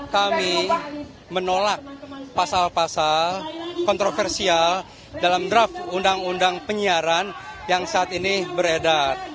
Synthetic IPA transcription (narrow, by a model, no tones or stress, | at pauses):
kami | mənolak̚pasalpasalkɔnt̪ɾofɛrsial | dalamdɾafundaŋundaŋpəɲiaɾanjaŋsaːt̪inibəɾedat̪̚